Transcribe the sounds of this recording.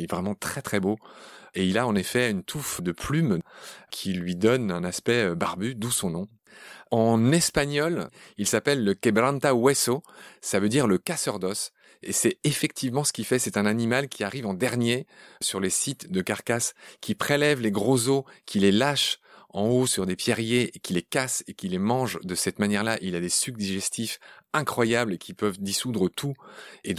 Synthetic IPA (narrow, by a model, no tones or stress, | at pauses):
ɛvʁɛmɑ̃t̪χɛt̪χɛboeilaɑ̃nefɛynt̪ʰufd̪əpʰlymkʲʰilɥid̪ɔnɛ̃naspɛøbaʁbyd̪usɔ̃nɔ̃ | ɑ̃nɛspaɲɔlilsapɛlːəkɛbʁãnt̪awɛsosavød̪iʁləkasœʁd̪ɔs | esɛefɛk̚t̪ivmɑ̃sə̥kʲifɛsɛt̪ɛ̃nanimalkʲiaʁivɑ̃d̪ɛʁnjesyʁlesit̪d̪əkaʁkaskʲʰipχelɛvleɡʁozokʲʰilelaʃɑ̃osyʁd̪epjɛʁjeekʲilekasekʲilemɑ̃ʒd̪əsɛt̪manjɛʁlaʔilad̪esyk̚d̪iʒɛst̪ifɛ̃kχwajablekʲipœvd̪isud̪ʁət̪ʰue